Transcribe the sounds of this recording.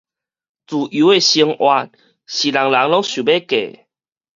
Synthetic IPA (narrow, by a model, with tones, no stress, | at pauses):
t͡su˨˩u˨˦e˧˨ɕi˧ŋʔwa˧t̚ | ɕi˨˩la˨˩ŋla˨˦ŋlɔ˦˥ŋɕu˨˩be˦kḛ˨